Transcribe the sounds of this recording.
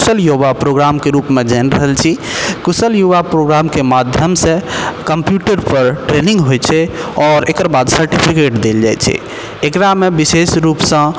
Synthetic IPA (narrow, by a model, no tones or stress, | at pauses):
usəljobapɾoɡɾamkeɾupmed͡ʒɛnɾəɦəlt͡ʃʰikusəljuβapɾoɡɾamkemad̪ʱjəmsẽkəmpjuʈəɾpəɾʈɾenĩŋɡɦojt͡ʃʰɛɔːɾekəɾbad̪səɾʈipʰikeʈd̪eld͡ʒa̰jt͡ʃʰɛ̰ | ekɾamebisesɾupsə̃